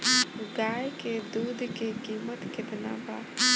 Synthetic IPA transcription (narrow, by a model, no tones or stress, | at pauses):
ɡaːjked̪uːd̪ʱkekiːmət̪kɪt̪na̰ba̰ː